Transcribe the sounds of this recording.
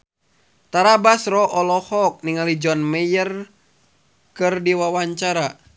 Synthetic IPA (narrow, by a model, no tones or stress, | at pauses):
t̪aɾabasrɔʔɔlɔhɔk̚niŋalid͡ʒɔnmɛjər | kɨrdiwawaɲt͡ʃaɾa